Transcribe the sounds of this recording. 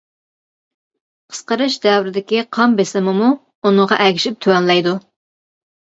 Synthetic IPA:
qʰə̥sqəɾɨʃd̪ɛwɾɪd̪ɪkʲiqʰɑmbesɪmɪmu | unɨŋʁɑʔɛkʲʰi̥ʃip̚t̪ʰøwɛnlɛjd̪u

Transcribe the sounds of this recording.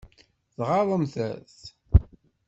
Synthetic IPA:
θʁɑðˤəmθæθ

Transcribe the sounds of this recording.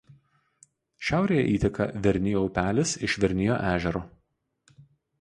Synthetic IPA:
ʃʲæˑʊɾʲeːjɛ̰ʔiːt̪ʲɛkɐ̰ʋʲɛɾʲnʲɪjoʊpʲæːlʲɪsɪʃʋʲɛɾʲnʲɪjo̰ːʔæːʒʲɛɾoː

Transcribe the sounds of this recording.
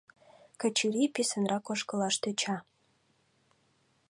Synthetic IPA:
kə̆t͡ɕiɾipisə̆nrʔɑkoʃkə̆lɑʃt̪øt͡ɕɑ

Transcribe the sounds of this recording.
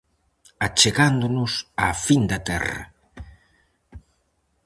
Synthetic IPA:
at͡ʃeɣand̪onʊsafind̪ɐt̪ɛ̰rɐ̰

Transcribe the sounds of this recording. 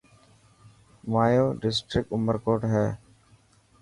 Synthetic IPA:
maːjoːɖɪsʈɾɪk̚ʈʊməɾkoːʈɦɛː

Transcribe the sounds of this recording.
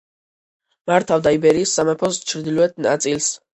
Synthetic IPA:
maɾt̪ʰavd̪aibɛɾiːsːamɛpʰɔst͡ʃʰɾd̪iluɛt̪̚ʰna̰t̪sʼils

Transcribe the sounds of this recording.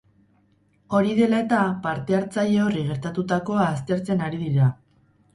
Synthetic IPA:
o̞ɾiðe̞lae̞t̪apaɾt̪e̞aɾt͡saʎeo̞riɣ̞e̞ɾt̪at̪ut̪ako̞aːst̪e̞ɾt͡se̞naɾiðiɾa

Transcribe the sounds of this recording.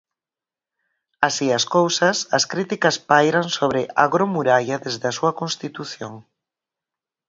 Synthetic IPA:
asiɐskowsɐsɐskɾit̪ikɐspajɾaŋsoβ̞ɾɪʔa̰ɣɾomuɾajɐðezðɐsuɐkõnst̪it̪uθjoŋ

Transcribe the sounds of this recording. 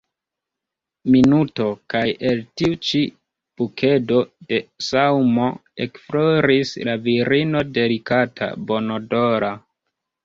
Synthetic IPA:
minuto̞kajeltiut͡ʃi | b̥ukʰe̞do̞de̞sawmoekfloɾislaviɾino̞de̞likatʰa̰bo̞nodoɾa

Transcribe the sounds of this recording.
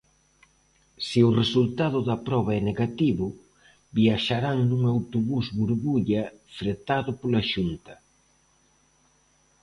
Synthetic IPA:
siʊresult̪aðʊðɐpɾɔβ̞aɛneɣat̪iβʊ | biaʃaɾaŋnuŋawt̪oβuzβuɾβuʎɐ | fɾet̪aðʊpolaʃunt̪ɐ

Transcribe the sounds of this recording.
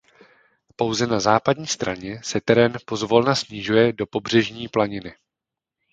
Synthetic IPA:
po̞wzɛnazaːpadɲiːst̪ɾaɲɛsɛt̪ɛɾɛnpo̞zvo̞lnasɲɪʒujɛdo̞po̞br̝ɛʒɲiːplaɲɪnɪ

